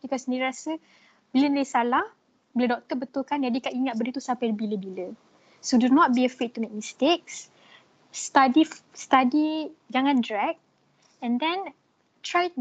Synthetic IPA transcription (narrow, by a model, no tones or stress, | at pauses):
b̥ikɔsəndiɾiɾasə | biləniləsalah | biladɔk̚t̪əbət̪ulkand͡ʒadikaʔiŋat̪̚bədət̪usampajbiləbilə | sodunɔt̪̚biəfɾet̚t̪umek̚mĩst̪ek̚s | st̪adist̪adiɡaŋãndɾɛk̚t | ɛ̃ndɛ̃n | t̪ɾaj